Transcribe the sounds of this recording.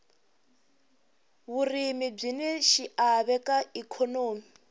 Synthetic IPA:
βurimib͡ʐinɛʃiʔaβɛkaikʰɔnoːmi

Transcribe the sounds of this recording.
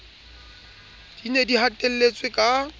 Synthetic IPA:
d̥inediɦatʼel̩let͡sʼwekʼa

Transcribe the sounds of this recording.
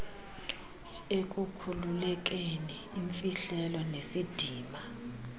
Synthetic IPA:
ekʼukʰululɛk̬ʼeniːɱfiɬɛlɔnesid̥ʱiːma

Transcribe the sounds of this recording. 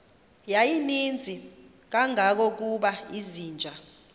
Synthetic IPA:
jajinind͡zʱi | k̬aŋʱak̬ɔk̬uɓaiziːnd͡ʒʱa

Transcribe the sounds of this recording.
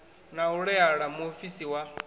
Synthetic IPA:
nauɺɛaɺamuofisiwa

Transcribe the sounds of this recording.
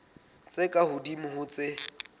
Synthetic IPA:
t͡sʼɪkʼahʊdimʊɦʊt͡sʼɪ

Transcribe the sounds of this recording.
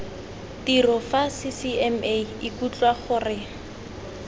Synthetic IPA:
tirɔfasɪsiɛmeɪkut͡ɬwaχʊrɪ

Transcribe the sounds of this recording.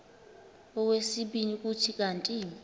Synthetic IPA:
ɔwesiɓinik̬ʼutʰik̬antʼiːni

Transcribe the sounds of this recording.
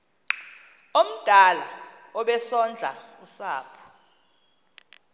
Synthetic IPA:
om̩d̥ʱala̰ | ɔɓɛsɔnd͡ɮʱa̰usaːpʰu̥

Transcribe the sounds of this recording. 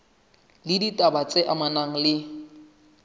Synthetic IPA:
lɪditʼabat͡sʼeʔamanaŋ̩lɪ

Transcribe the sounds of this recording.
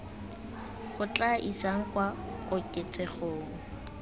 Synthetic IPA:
χʊt͡ɬaʔisaŋ̩kwaɣʊkʼɪt͡sʼɛχoːŋ̩

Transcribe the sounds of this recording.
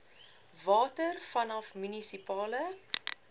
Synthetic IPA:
vɑːtərfɐnɐfmynisipɑːlə

